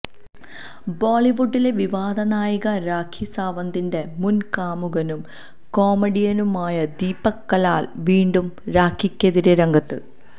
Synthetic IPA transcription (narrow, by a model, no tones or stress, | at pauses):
boːɭiʋuɖːile̞ʋiʋaːd̪ɐnaːjiɣɐɾaːkʰːisaːʋɐnd̪inde̞munkaːmuɣɐnum | ko̞ːmeɽijɐnumaːjɐd̪iːpːɐkːɐlaːlʋiːɳɖumɾaːkʰːikʲːɐðiɾeɾɐŋɡɐt̪ːɨ